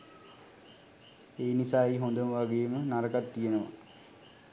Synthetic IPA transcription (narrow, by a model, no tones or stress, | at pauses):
eːnisaːeɦond̪əməʋaɡejːmənaɾəkat̪ːijenəʋa̰